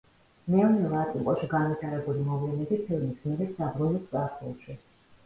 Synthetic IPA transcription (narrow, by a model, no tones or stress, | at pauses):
mɛɔnɛvat̪ʼiŋkʼɔʃiɡanvit̪ʰaɾɛbulimɔvlɛnɛbipʰilˠmismɛɾɛsabɾunɛskʼaɾχṵlˠʃi